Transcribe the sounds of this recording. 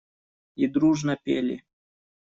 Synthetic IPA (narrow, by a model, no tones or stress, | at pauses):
id̪ɾuʐnɐpʲḛlʲɪ̰